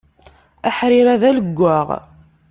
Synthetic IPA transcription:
æħɾɪɾæðæləɡʷːaʁ

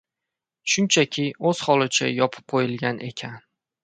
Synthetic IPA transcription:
ʃʊnt͡ʃʰakʲʰɪɵz̥hɒlˠɪt͡ʃʰa̰jɒpʰɪ̥p̚qʰojɪlˠɡʲanʔe̞kʲʰan

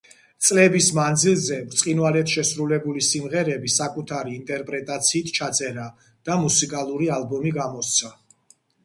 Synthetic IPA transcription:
t̪sʼlɛbismand̪zilˠzɛvɾt̪sʼqʼinwalɛt̪ʃɛsɾulɛbulisimʁɛɾɛbisakʼut̪ʰaɾiːnt̪ʼɛɾpʼɾɛt̪ʼat̪sʰiːt̪ʰt͡ʃʰat̪sʼɛɾa | d̪̥amusikʼalˠuɾialˠbɔmiɡamɔst̪sʰa

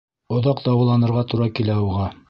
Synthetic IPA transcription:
ŏðɑq̚d̪ɑwɑlˠɑnɤ̆ɾʁɑt̪uɾɑkilæuʁɑ

